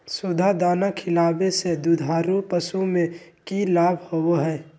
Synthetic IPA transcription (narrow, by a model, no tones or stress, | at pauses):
sʊd̪ʱad̪aːnakʰɪlaːbesed̪ud̪ʱaːɾupəsumẽkilaːbʱhowoɦɛː